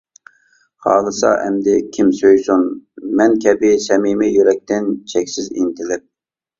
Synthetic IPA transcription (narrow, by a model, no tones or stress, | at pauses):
χɑ̰ːlˠɨsɑ̰ʔɛ̰md̪ɪkʲʰimsøjsunmɛnkʲʰɛbɪsɛmimɪjyɾɛk̚ʲt̪ɪnt͡ʃʰɛkʲsɪzḭnt̪ʰɪlɪp̚